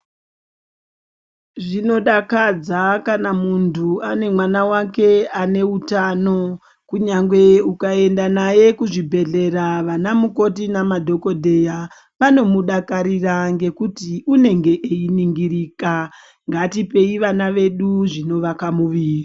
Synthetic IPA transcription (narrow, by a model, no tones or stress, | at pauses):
ʐino̞ɗakad͡zakanamuntʰuane̞mwanawake̞ane̞utano̞ | kuɲaŋɡwe̞ukae̞ndanaje̞kuʐibʱe̞ɮe̞raʋanamuko̞tinamadʱo̞ko̞dʱe̞ja | ʋano̞muɗakaɾiraŋɡe̞kutiʔune̞ŋɡe̞ʔeiniŋɡiriːka | ŋɡatipe̞iʋanaʋe̞ɗuʐino̞ʋakamuʋiːri